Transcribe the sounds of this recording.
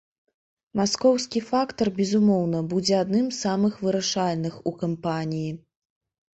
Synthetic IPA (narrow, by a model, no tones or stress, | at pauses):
maskɔwskʲifakt̪ɐrbʲɛzumɔwnɐbud͡zʲɛad̪nɨmsamɨxvɨɾaʂalʲnɨxukampanʲiji